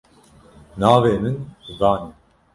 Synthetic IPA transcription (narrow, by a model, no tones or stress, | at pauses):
naːveːmɨnzɑːni